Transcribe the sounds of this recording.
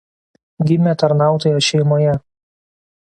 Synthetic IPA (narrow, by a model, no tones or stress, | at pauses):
ɡʲɪmʲet̪ɐɾnɑˑʊt̪oːjoʃʲɛɪmoːjɛ